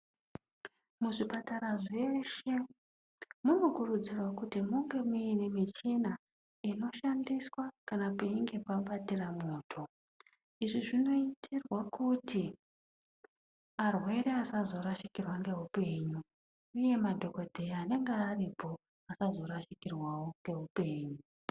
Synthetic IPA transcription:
muʐipataɾaʐe̞ʃe̞ | muno̞kurud͡zirwakutimuŋɡe̞muinemit͡ʃina | ino̞ʃandiswakanapeiŋɡe̞paɓatiramoːtʰo̞ | iʐiʐino̞itʰirwakuti | arwe̞ɾe̞asazo̞ɾaʃikirwaŋɡe̞upe̞ːɲuː | je̞madʱo̞ko̞dʱe̞iane̞ŋɡeːripʰo̞ | asazo̞ɾaʃikirwawo̞ŋɡe̞ɦupe̞ːɲu

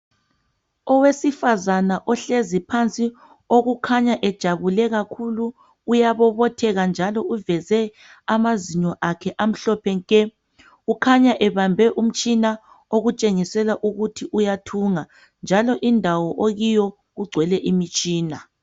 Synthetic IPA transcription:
ɔwesifazanaʔɔɬezipʰant͡sʼi | oɣukʰaɲaʔɛd̥ʒ̥ʱaβulɛɣakʰuluː | jaβɔβɔtʰɛɣand͡ʒʱalɔuvɛzɛ | amaziɲɔʔakʰɛʔam̩ɬɔpʰɛŋkʼɛ | ukʰaɲaʔɛβambʱɛʔum̩t͡ʃʼina | oɣut͡ʃʼeŋisɛlaʔuɣutʰiʔujatʰuŋa | nd͡ʒʱalɔʔindʱawɔʔoɣijɔ | ɣuɡ͡ǀʱwɛlɛʔimit͡ʃʼiːna

